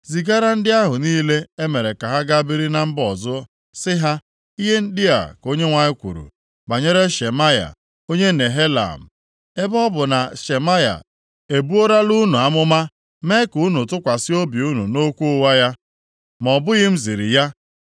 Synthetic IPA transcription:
zi˨ɡa˦ɾa˦n̩˦dɪ˦a˦ɦʊ˨niː˦le˦e˦me˨ɾe˨ka˨ɦa˦ɡa˦bi˦ɾi˦na˦m̩˦bɔ˨zʊ˦ | sɪ˦ɦa˦ | i˦ɦe˦n̩˦dɪ˦a̰˨ko˦ɲe˦ŋʷa˦ɲɪ˦kʷṵ˨ɾṵ˨ | ba˨ɲe˦ɾe˦ʃe˨ma˦ja̰˨ | o˦ɲe˦ne˨ɦe˦la̰˨m̩˨ | e˦bɔ˦bʊ˨na˨ʃe˨ma˦ja̰˨ | e˨bu˦o˦ɾa˦lu˦nu˨a˦mʊ˦ma˦ | me˦ku˨˦nu˨tʊ˦kʷa˨sɪ˦o˦bi˨u˦nṵ˨no˦kʷu˦ʊ˦wa˦ja˦ | mɔ˨bʊ˦ɣɪ˦m̩˦zi˨ɾḭ˨ja˦

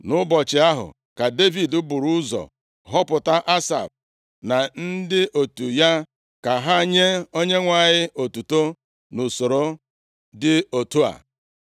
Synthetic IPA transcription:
nʊ˦bɔ˨t͡ʃɪ˨a˦ɦʊ̰˨ | ka˨de˦vi˨dʊ˦bʊ˨ɾu˦zɔ̰˨ | ɦɔ˦pʊ˨ta˦ʔa˦sa̰˨b̚ | na˨n̩˦dɪ˦ʔo˨tu˨ja˦ | ka˨ɦa˦ɲe˦o˦ɲe˦ŋʷa˨ɲɪ˦o˨tu˨to˦ | nʊ˨so˨ɾo˦ | dɪ˦o˨tu˦a̰˨

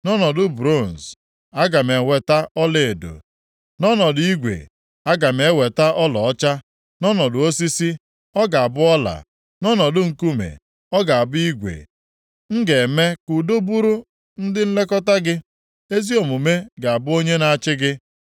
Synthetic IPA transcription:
nɔ˦nɔ˨dʊ˨bɾo˦˨n̩˨s | a˦ɡa˨me˨we˨ta˦ɔ˦le˨e˨do̰˨ | nɔ˦nɔ˨dʊ˦i˦ɡʷḛ˨ | a˦ɡa˨me˨˦we˨ta˦ʔɔ˦lɔ˨ɔ˦t͡ʃa˦ | nɔ˦nɔ˨dʊ˨o˦si˦si˦ | ɔ˦ɡa˨a˨bʊ˦ɔ˦la̰˨ | nɔ˦nɔ˨dʊ˦ŋ̩˨ku˦mḛ˨ | ɔ˦ɡa˨a˨bʊ˦i˦ɡʷḛ˨ | ŋ̩˦ɡe˨me˦ku˨do˦bu˦ɾu˦ | n̩˦dɪ˦n̩˦le˦kɔ˦ta˦ɡɪ˦ | e˦zi˦o˨mu˨me˦ɡa˨a˨bʊ˦o˦ɲe˦na˦t͡ʃɪ˦ɡɪ˦

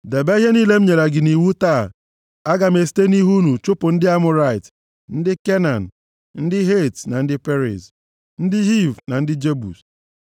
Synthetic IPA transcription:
de˨be˦i˦ɦe˦niː˦le˦m̩˦ɲe˨ɾa˨ɡɪ˨ni˨wu˦ta˦˨ | a˦ɡa˨me˨ste˦ni˦ɦu˦nu˨t͡ʃʊ˦pʊ˨n̩˦dɪ˦a˦mʊ˦ɾa˨ɪ˨t | n̩˦dɪ˦ke˦na˨n̩˨ | n̩˦dɪ˦ɦe˦˨tna˨n̩˦dɪ˦pe˦ɾɪ̰˨s | n̩˦dɪ˦ɦi˦˨vna˨n̩˦dɪ˦d͡ʒe˦bṵ˨s

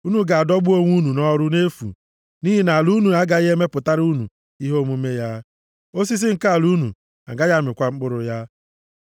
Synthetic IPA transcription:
u˦nu˨ɡa˨a˨dɔ˦ɡ͡bʊ˦o˦ŋʷu˦nu˨nɔ˦ɾʊ˦ne˦fṵ˨ | ni˦ɦi˦na˨lu˦nu˨a˦ɡa˨i˦ɦe˦me˦pʊ˨ta˦ɾu˦nṵ˨ | i˦ɦo˦mu˦me˦ja˦ | o˦s̬i˦s̬ɪ˦ŋ̩˨ka˦a˨lu˦nṵ˨ | a̰˨ɡa˦ja˦˨mɪ˨kʷa˦ŋ͡m̩˦k͡pʊ˦ɾʊ˨ja˦

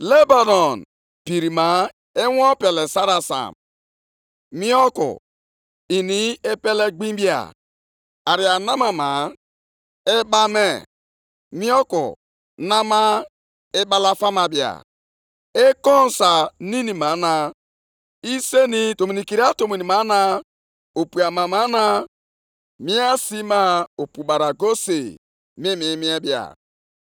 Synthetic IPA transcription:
le˦ba˨nɔ˨n | pi˨ɾi˨ma˨˦ | e˦wɔ˦pe˨le˨sa˦ɾa˨sa̰˨m | mi˦ɔ˦kṵ˨ | i˨ni˨e˦pe˦le˦ɡ͡bĩ˦bi˦a̰˨ | a˨ɾi˨a˨na˦ma˨ma˨ | e˦ba˦me˦˨ | mi˦ɔ˦kṵ˨ | na˦ma˦ | e˦ba˦la˦fa˦ma˨bi˨a̰˨ | e˦kɔ˦n˨sa˨ni˦ni˨ma˨˦na˨ | i˦se˦ni˦to˨mi˨ni˨ki˨ɾi˦a˦to˨mo˨ni˨ma˨˦na˦ | o˨pu˨a˨ma˨ma˨˦na˦ | mi˦a˦si˦ma˦o˨pu˨ba˨ɾa˨ɡo˦se˨ | mi˦mi˨˦mi˦e˦bi˦˨a̰˨

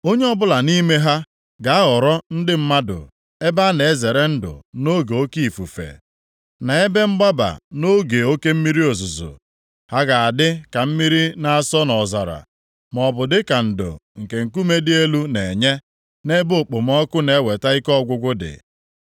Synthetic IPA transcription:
o˦ɲe˦ɔ˦bʊ˦la˨ni˦me˦ɦa˦ | ɡa˨˦a˦ɔ˨ɾɔ˦n̩˦dɪ˦m̩˦ma˦dʊ̰˨ | e˦ba˦ne˨e˦ze˨ɾe˦n̩˦dʊ̰˨no˦ɡe˨o˦ki˦i˨fu˨fḛ˨ | na˨e˦be˦m̩˦ɡ͡ba˦ba̰˨no˦ɡe˨o˦ke˦m̩˦mi˦ɾi˦o˨zʊ˨zo̰˨ | ha˦ɡa˨a˨dɪ˦ka˨m̩˦mi˦ɾi˦na˨a˦sɔ˦nɔ˨za˨ɾa̰˨ | mɔ˨bʊ˨dɪ˦ka˨n̩˨dʊ̰˨ŋ̩˨ke˨ŋ̩˨ku˦me˦dɪ˦e˦lu˦ne˨ɲe˦ | ne˦bo˦˨k͡pʊ˨m˦ɔ˦kʊ˦ne˨e˦we˨ta˦i˦kɔ˦˨ɡʷʊ˦ɡʷʊ˦dɪ̰˨

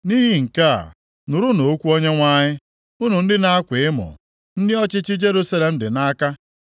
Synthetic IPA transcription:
ni˦ɦi˦ŋ̩˨ka̰˦˨ | nʊ˨ɾʊ˦no˨o˦kʷu˦o˦ɲe˦ŋʷa˦ɲɪ˦ | u˦nu˨n̩˦dɪ˦na˦a˦kʷe˨ɪ˦mʊ̰˨ | n̩˦dɪ˦ɔ˦t͡ʃɪ˦t͡ʃɪ˦d͡ʒe˦ɾu˦sa˦le˨m̩˦dɪ˨na˦ka˦

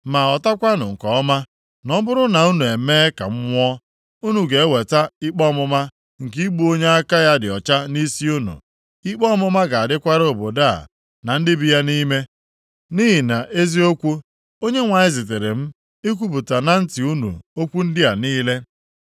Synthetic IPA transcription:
ma˨ɔ˨ta˦kʷa˦nʊ˨ŋ̩˨kɔ˨ɔ˦ma˦ | nɔ˦bʊ˦ɾʊ˦na˨u˦nu˨e˨meː˦ka̰˨m̩˦ŋʷɔ˦ | u˦nu˨ɡe˨e˦we˨ta˦ɪ˦k͡pɔ˦mʊ˦ma˦ | ŋ̩˨k̬i˦ɡ͡bu˦o˦ɲe˦a˦ka˦ja˦dɪ˨ɔ˨t͡ʃa˦ni˦si˦u˦nṵ˨ | i˦k͡pɔ˦mʊ˦ma˦ɡa˨a˨dɪ˦kʷa˦ɾo˨bo˨da̰˦˨ | na˨n̩˦dɪ˦bi˦ja˦ni˦me˦ | ni˦ɦi˨na˨ʔe˦zi˦o˦kʷu˦ | o˦ɲe˦ŋʷa˨ɲɪ˦zi˨t̬e˨ɾe˨m̩˦ | i˦k̬ʷu˦pu˨ta˨na˨n̩˦tɪ˨u˦nṵ˨o˦kʷu˦n̩˦dɪ˦a˨niː˦le˦

